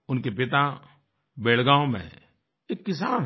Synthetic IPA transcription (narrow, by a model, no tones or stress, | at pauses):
ʊnkepɪt̪a | beːɽɡãːõmḛ̃ | eːkːɪs̬aːn